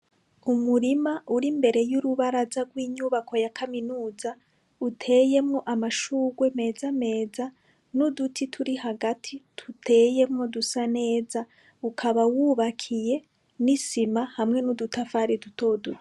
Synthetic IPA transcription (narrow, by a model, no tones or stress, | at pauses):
umuɾimaʔuɾimbe̞ɾe̞juɾuβaɾazaɡwiːɲuβakʰo̞jakʰaminuːza | utʰe̞ːje̞mŋo̞ʔamaʃuːɡwe̞me̞ːzame̞ːza | nudutʰitʰuɾihaɡatʰitʰutʰe̞je̞mŋo̞dusane̞ːza | ukʰaβawuβakʰije̞ | nisimahamŋe̞nudutʰafaːɾidutʰo̞ːduɾi